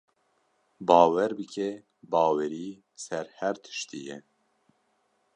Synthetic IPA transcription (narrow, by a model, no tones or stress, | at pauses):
bɑːwɛɾbɨkʰɛ | bɑːwɛɾiː | sɛɾhæɾt̪ʰɨ̥ʃt̪ijɛ